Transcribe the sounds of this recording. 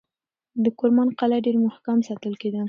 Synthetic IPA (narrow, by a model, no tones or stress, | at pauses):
d̪əkʊɾmɑnqalaɖeɾmʊhkamsɑt̪əlked̪ə